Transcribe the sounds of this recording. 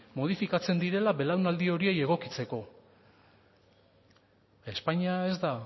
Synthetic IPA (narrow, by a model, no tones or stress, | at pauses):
mo̞ð̞ifikat͡se̞nd̪iɾe̞laβe̞lawnald̪io̞ɾie̞je̞ɣ̞o̞kit͡se̞ko̞ | e̞spaɲiae̞zd̪a